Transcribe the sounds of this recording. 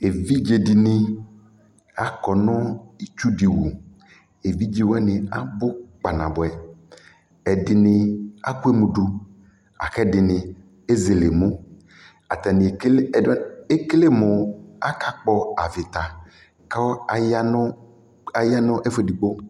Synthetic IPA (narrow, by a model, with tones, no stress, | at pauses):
e˨vi˦d͡ʒe˨ɖi˨nɪ˦ | a˦kɔ˨nɔ̃˦i˦t͡ʃu˦ɖi˨wu˨ | e˨vi˦d͡ʒi˦wɛ˦nɪ̃˨a̰˦bʊ˦k͡pa˨nã̰˨bo˨ɛ˨ | ɛ˨ɖɪ˨nɪ̃˨a̰˦ku˦e˦mũ˨ɖu˦ | a̰˨kɛ˦dɪ˨nɪ̃˨ | e˦ze˨le˨mõ˦ | a˨t̪ɛ˨nɪ̃˨˦˨e˦kle˦mo˨a˦ka˦k͡pɔ˦a˨vɪ˨t̪a˨ | ka˦a˨ja˦n˦ | a˨ja˦nɔ̃˦ʔe˦fe˦ɖi˨ɡ͡bo˦